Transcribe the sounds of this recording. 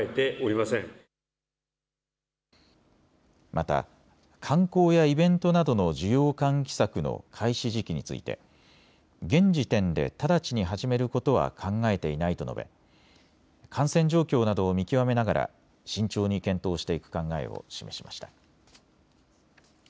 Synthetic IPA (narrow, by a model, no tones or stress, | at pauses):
et̪e̞ʔoɾʲimasẽŋ | mʔat̪a̰ | kʰãŋko̞ːjaibẽ̞nt̪o̞nad̪o̞no̞d͡ʑijo̞ːkãŋkʲi̥sakɯ̟no̞̰kʰaiɕiʑikʲiɲ̟it͡sɨ̰ḭt̪e̞̰ | ɡẽ̞ɲ̟d͡ʑit̪ẽ̞nd̪e̞̰t̪ad̪at͡ɕiɲ̟iɦaʑime̞ɾɯ̟ko̞t̪o̞β̞a̰kʰãŋɡae̞t̪e̞inait̪o̞̰no̞̰be̞̰ | kʰãɰ̃sẽ̞ɲ̟d͡ʑo̞ːkʲo̞ːnad̪o̞ːmʲikʲiβame̞naɡaɾʔa̰ | ɕĩɲt͡ɕo̞ːɲ̟ikẽ̞nt̪o̞ːɕi̥t̪e̞ikɯ̟̥kãŋɡae̞̰o̰ɕime̞ɕima̰ɕi̥t̪ḁ